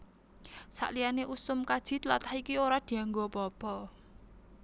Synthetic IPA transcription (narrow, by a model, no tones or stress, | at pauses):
sa̰ʔlijaneʔusʊmkad̥ʒ̥i̤t̪lat̪ahikioɾad̪̥i̤aŋɡobɔb̥ɔ̤